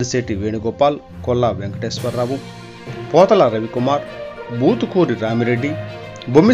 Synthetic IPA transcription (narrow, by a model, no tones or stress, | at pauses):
ɐseːʈiʋeːɳiɡɔpːaːl | kɔlːaʋeŋkɐʈeːsʋɐɾːaːʋu | pɔːt̪ɐlɐɾɐʋikumaːɾbuːt̪ukuːɾiɾaːmiɾeɖːi | bʱumːi